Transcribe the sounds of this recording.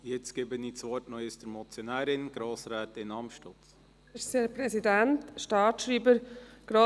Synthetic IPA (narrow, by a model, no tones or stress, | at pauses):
jɛt͡stɡ̥eːbəniːt͡sʋɔɾtnɔəsd̥əɾmɔt͡sjɔnæːɾɪnɡ̥ɾoːsɾaːtɪnɑmʃtʊt͡s | əsepɾɛsidæntʃtɑːtʃɾiːbəɾɡ̥ɾo